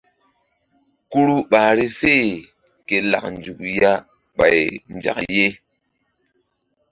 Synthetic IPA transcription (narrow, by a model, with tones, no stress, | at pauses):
ku˦ɾu˦ɓaː˨ɾi˦se˦˨ | ke˨la̰˨k̚n˨d͡ʒu˨kja˦ | ɓa̰˨jnd͡ʒa̰˨kje˦